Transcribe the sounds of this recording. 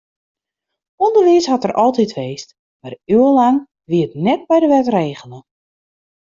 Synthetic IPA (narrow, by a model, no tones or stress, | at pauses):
ɔndərʋiəshɔtərʔɔlˠtitʋeːst | maryəlaŋ | ʋiətnɛt̚bɛjdəʋɛtreːɣələ